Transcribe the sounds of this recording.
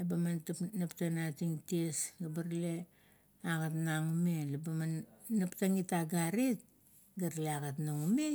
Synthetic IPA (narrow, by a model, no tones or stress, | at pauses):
lebamantapnaptanatiŋtiesɡabaɾle̞ | aɡatnaŋume̞lebamanːaptaŋitaɡaɾit̚ | ɡaɾleaɡatnaŋume